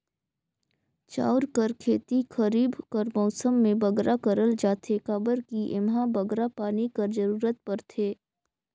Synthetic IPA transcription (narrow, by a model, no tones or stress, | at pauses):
t͡ʃa̰ːʊɾkəɾkʰeːt̪ixɐɾiːbkɐɾmɔːsəmːẽbɐɡɾakəɾəld͡ʒaːt̪ʰekaːbəɾkiʔɪmɦãbɐɡɾapaːnikɐɾd͡ʒəɾuːɾət̪̚pɐɾt̪ʰeː